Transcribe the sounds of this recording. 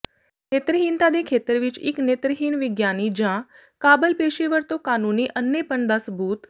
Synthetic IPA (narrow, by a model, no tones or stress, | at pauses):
net̪ɾəɦint̪ad̪ekʰet̪ɾʋiːt͡ʃḭknet̪ɾəɦinʋiɡjanid͡ʑã | kabəlpeɕiʋəɾt̪okanuniʔənːepəɳd̪əsbʱuːt̪